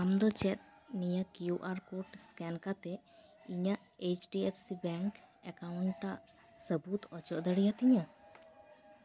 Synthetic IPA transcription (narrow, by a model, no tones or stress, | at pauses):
amd̪ɔt͡ʃɛt̪̚ | nijakjuʔaɾkoʈskɛnkat̪ɛ | iɲaʔet͡ʃɖiɛpʰsibɛŋkɛkawɳʈʈaʔ | səbut̪ɔt͡ʃɔʔd̪əɽijat̪iɲa